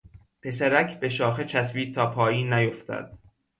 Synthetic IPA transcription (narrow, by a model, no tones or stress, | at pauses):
pʰe̞sæɾækʰbeʃɒːxet͡ʃʰæsviːt̪ʰɒːpʰɒːjiːnːæjoft̪ʰæ̰d̪̥̚